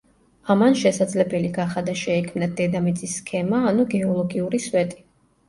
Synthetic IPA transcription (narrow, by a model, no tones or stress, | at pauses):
amanʃɛsad̪zlɛbɛliɡaχad̪aʃɛikʰmnad̪ɛd̪amid̪sʼisːkʰɛmaːnuɡɛɔlˠɔɡiuɾiswɛt̪ʼi̥